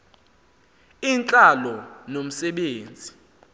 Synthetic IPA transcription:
iːnt͡ɬʼalɔnom̩sɛɓeːnd͡zʱi

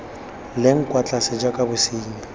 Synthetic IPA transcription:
leŋ̩kʼwat͡ɬʼasɪd͡ʒakʼabʊsiːɲɛ

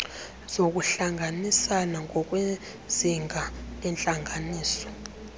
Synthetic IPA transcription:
z̥ok̬ʼuɬaŋʱanisanaŋɔk̬ʼwe | ziŋʱaɛnt͡ɬʼaŋʱaniːsɔ̥

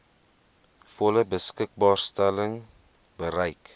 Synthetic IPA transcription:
fɔləbəskək̚bɑːrstɛləŋ | bəɾɛjk

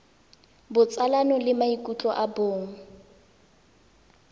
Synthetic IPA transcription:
bʊt͡sʼalanɔlɪmaikʼut͡ɬʼɔʔaboːŋ̩

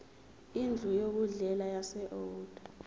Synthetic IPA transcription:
ind͡ɮʱujok̬uɮɛlajasɛʔɔd̥ʱḁ

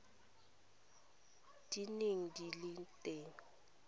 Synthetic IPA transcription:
d̥ineŋ̩dilɪntʼeːŋ̩

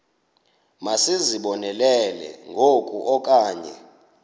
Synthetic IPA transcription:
masiziɓɔnɛlɛlɛ̰ŋɡʱokʼṵʔɔkʼaːɲɛ̰

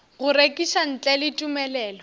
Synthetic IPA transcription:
ɣʊɾekʼiʃan̩t͡ɬʼɛlɪtʼumɛlɛːlɔ

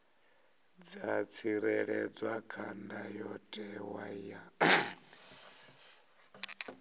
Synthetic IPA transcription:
d͡zat͡sʰiɾɛɺɛd͡zwakʰandajɔtʼɛwaja

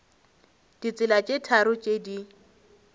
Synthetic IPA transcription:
d̥it͡sʼɪlat͡ʃʼetʰaɾʊt͡ʃʼedi

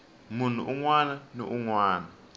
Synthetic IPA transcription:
mun̤uʔuŋwananɔʔuŋwaːna

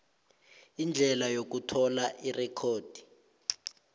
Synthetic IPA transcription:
ind͡ɮʱɛlajok̬utʰɔlaʔirɛkʰoːd̥ʱi̥

